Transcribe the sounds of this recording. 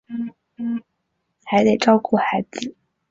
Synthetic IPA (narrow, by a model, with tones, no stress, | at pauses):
n̩˥˩ | n̩˥˩ | xa˧˥ɪt̪e˨˩ɪʈ͡ʂɑ˥ʊku˥˩xa˧˥ɪd͡zɹ̩˨˩